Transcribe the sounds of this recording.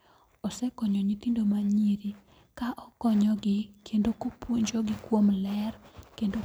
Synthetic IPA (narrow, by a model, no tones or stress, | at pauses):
ɔsɛkɔɲɔɲit̪indomaɲiɾi | kaʔɔkɔɲɔɡɪkʰendokopwoɲd͡ʒoɡɪkwomlɛrkendo